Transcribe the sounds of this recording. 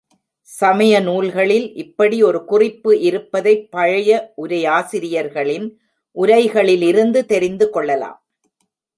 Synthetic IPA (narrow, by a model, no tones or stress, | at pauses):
sɐmɐjɐnuːlɣɐɭɪlʔɪpːɐɽiɔɾɯkʊrɪpːɯʔɪɾɯpːɐðɐɪpːɐɻɐjɐʔʊɾɐjaːsɪɾɪjɐɾɣɐɭɪn | ʔʊɾɐɪɣɐɭɪlɪɾɯnd̪ɯt̪ɛɾɪnd̪ɯkɔɭːɐla̰ːm